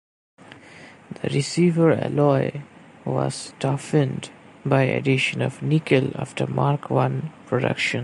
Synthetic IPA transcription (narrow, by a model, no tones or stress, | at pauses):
d̪əɾɪsiːvəɾɛ̰lɔɪ | ʋɔ̰z̥tɔfə̃nd | baɪḛɖɪʃə̃nɔvnikəla̰fʈəmaɾkwʌ̃npɾoɖʌ̰kʃə̃n